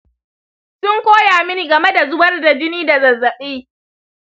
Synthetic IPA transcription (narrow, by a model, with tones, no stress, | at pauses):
sʊ˦ŋkʷoː˦jaː˨mɪ˦ni˨ɡɐ˨me˦da˨zʊ˦wɐ˦rda˨d͡ʒɪ˦niː˦da˨zɐ˨zːɐ˨ɓiː˦